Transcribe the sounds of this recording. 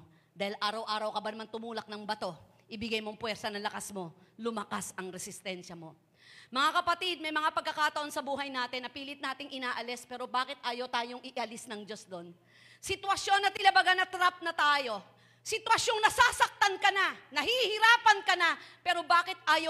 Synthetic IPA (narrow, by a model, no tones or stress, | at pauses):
d̪aːhɪlʔaːɾɐwʔaːɾɐwkɐbanɐmant̪ʊmuːlɐk̚nɐŋbɐt̪o̞ | ʔɪbɪɡajmoŋpwɛɾsɐnɐlɐkasmo̞lʊmɐkasɐŋɾɛsɪst̪ɛnʃɐmo̞ | mɐŋakɐpɐt̪id̪̚mɐjmɐŋapɐɡ̚kːɐkaːt̪ɐʔo̞nsɐbuːɦɐjnaːt̪ɪnːɐpiːlɪt̪naːt̪ɪŋʔɪnaːʔɐlɛspɛːɾobaːkɪt̪̚ʔaːjɐwt̪aːjoŋʔɪʔɐlɪsnɐŋd͡ʒo̞sd̪o̞n | sɪt̪wɐsjo̞nːɐt̪ɪlɐbɐɡanɐt̪ɾap̚nɐt̪aːjo̞ | sɪt̪wɐsjoŋnɐsaːsɐk̚t̪ɐnkɐnanɐhihɪɾaːpɐnkɐnapɛːɾo̞baːkɪt̪ʔaːjo